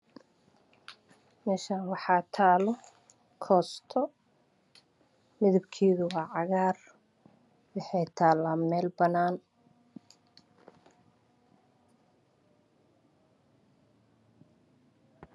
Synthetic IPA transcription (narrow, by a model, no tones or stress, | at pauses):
mɛːʃaːwɑħɑːt̪ʰaːlɔ | kʰɔːst̪ʰɔ | mɪðɪbkʰiːðʊwɑːʕɑɣaːr | wɑħɛjt̪ʰaːlaːmɛːlbɐnaːn